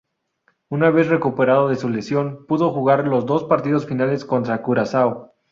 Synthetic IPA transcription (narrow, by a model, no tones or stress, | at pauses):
unaβe̞sre̞kupe̞ɾaðoðe̞sule̞sjo̞npuðo̞xuɣaɾlo̞zd̪o̞spaɾt̪iðo̞sfinale̞sko̞nt̪ɾakuɾasaw